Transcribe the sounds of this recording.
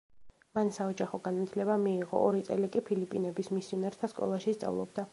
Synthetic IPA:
mansaɔd͡ʒaχɔɡanat̪ʰlɛbamiːʁɔ̰ʔɔɾit̪sʼɛlikʼipʰilipʼinɛbismisinɛɾt̪ʰaskʼɔ̰lˠaʃist̪sʼa̰vlˠɔ̰bd̪a

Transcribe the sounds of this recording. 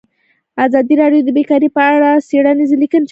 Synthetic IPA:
azɑd̪iɾɑɖjod̪əbekɑɾipəaɽaseɽanizilikənt͡ʃ

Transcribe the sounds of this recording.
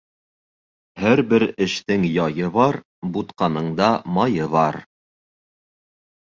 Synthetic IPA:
hæɾbɘɾɘ̆ʃt̪ɘŋjɑjɤβɑɾ | but̪qɑnɤ̆ɴd̪ɑmɑjɤβɑɾ

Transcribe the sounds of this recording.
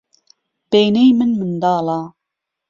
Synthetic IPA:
b̥ejnejmɨnmɨnd̪ɑːlɑː

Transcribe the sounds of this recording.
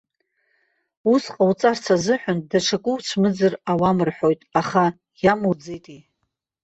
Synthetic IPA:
usqʼawt͡sʼart͡sʰazɨħʷᶣʊndaʈ͡ʂʰakʷʼʊwt͡ʃʷʰmɨd͡zɨrawamɨrħo̞jtʼaχa | jamud͡zejtʼi

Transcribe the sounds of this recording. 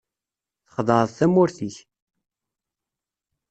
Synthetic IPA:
θə̥χðˤəɾˤðˤθæmːʊɾθiç

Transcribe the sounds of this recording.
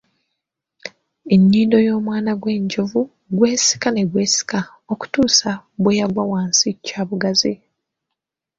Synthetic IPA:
e̞ɲːiːndo̞jo̞ːmwaːnaɡwe̞ːɲɟovu | ɡwe̞ːsi̥kane̞ɡwe̞ːsi̥ka | o̞ku̥tuːsabwejaɡwawaːnsicːaːβuɡazi

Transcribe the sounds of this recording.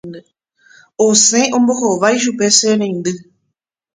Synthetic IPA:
osẽʔõmbohoʋajʃ̬upeseɾẽnd̪ɨ

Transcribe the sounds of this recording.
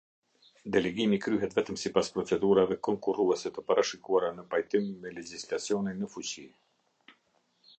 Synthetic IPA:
d̪ɛlɛɡimikɾyɦɛt̪vɛt̪əmsipaspɾɔt͡sɛd̪uɾavɛkɔŋkuruɛsɛt̪əpaɾaʃikuaɾanəpajt̪imːɛlɛd͡ʑislat͡siɔninəfut͡ɕi

